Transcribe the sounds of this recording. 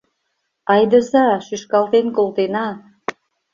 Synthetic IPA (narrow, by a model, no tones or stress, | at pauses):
ɑjd̪ɤsaʃyʃkalˠt̪enkolˠt̪ena